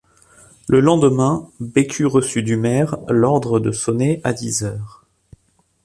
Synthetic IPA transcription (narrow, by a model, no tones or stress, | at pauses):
ləlɑ̃d̪əmɛ̃bekʰʲyʁəsyd̪ymɛʁlɔʁd̪ʁəd̪əsɔneʔad̪izœːʁ